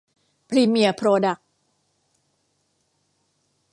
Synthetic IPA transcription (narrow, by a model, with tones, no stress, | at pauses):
pʰɾi˧mi˧əpʰɾoː˧da˨˩k̚